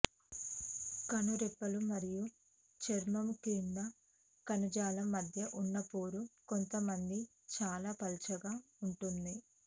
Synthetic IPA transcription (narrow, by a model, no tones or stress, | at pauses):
kɐnuɾɛpːɐlumɐɾiju | t͡ʃeɾmɐmkiːnd̪ɐ | kɐnɐd͡ʒaːlɐmːɐd̪ʱjɐʔunːɐpoːɾukont̪ɐmɐnd̪i | t͡ʃaːlaːpɐlt͡ʃɐɡaːuɳʈund̪i